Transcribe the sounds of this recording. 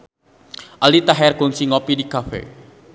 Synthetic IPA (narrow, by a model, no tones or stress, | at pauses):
ʔalit̪aɦɛrɡʊŋsiŋɔpidikafḛ